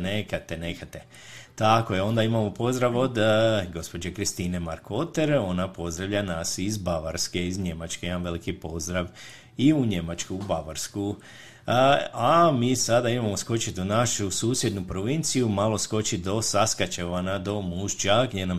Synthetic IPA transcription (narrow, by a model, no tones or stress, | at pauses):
nekat̪enekat̪e | t̪akojeo̞nd̪aimamo̞po̞zd̪ɾaʋo̞d̪ɡo̞spo̞d͡ʑekɾist̪ine̞maɾkʰo̞t̪e̞ɾo̞napo̞zd̪ɾaʋʎanasizbaʋaɾske̞izɲe̞mat͡ʃke̞imamʋe̞likipo̞zd̪ɾaʋ | iuɲe̞mat͡ʃkuːbaʋaɾsku | amiːsad̪aimamo̞sko̞t͡ɕit̪unaʃusuːsje̞d̪nupɾo̞ʋint̪sijumalo̞sko̞t͡ɕid̪o̞saskat͡ɕeʋanad̪o̞muʒt͡ʃaɡ̪jenam